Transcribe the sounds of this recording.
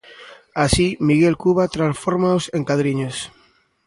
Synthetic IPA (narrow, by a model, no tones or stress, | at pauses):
asimiɣelkuβat̪ɾãnsfoɾmaosẽŋkaðɾiɲos